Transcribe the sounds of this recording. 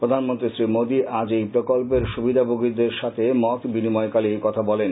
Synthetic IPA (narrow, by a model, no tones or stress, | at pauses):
pɾod̪ʱanmont̪ɾisɾimod̪iʔad͡ʑejpɾokolp̬eɾʃubid̪ʱaboɡid̪eɾʃat̪ʰemɔt̪binimɔekalikɔt̪ʰabɔlen